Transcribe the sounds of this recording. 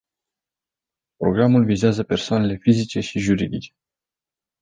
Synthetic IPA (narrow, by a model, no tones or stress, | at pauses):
pɾo̞̰ɡɾamulvizeazəpe̞rsoane̞le̞fizit͡ʃe̞ʃiʒuɾid̪it͡ʃe̥